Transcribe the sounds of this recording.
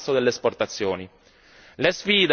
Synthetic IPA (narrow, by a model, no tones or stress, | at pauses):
sod̪elːeːsport̪at̪sːjoːni | lesfiːd̪